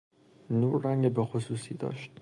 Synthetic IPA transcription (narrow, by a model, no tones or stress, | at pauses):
nuːɾːæŋɡebexosuːsiːd̪ɒ̰ːʃt̪